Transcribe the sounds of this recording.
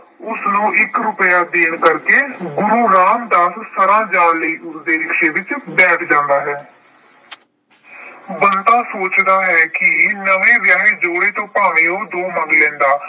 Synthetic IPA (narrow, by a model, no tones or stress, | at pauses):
ʊsnũːʔɪkɾʊpəjaːd̪eːɳkəɾkeːɡʊɾuːɾaːmd̪aːssəɾãːd͡ʒaːlləiːʔʊsd̪eːɾɪkʃeːʋɪt͡ʃbɛːʈʰd͡ʒãːnd̪aːɦɛː | bənt̪ãːsoːt͡ʃd̪aːɦɛːkɪnəʋẽːʋjaːɦeːd͡ʒoːɽeːt̪õːpaːʋ̃eːoːd̪oːməŋɡlɛ̃ːnd̪aː